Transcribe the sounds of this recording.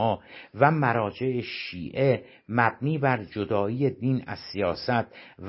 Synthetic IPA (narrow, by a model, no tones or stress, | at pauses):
ɒːvæmæɾɒːd͡ʒe̞ʔeʃiːʔe̞ | mæb̚niːbæɾd͡ʒod̪ɒːiːje̞d̪iːnæ̰zsijɒːsæt̪̚ʰv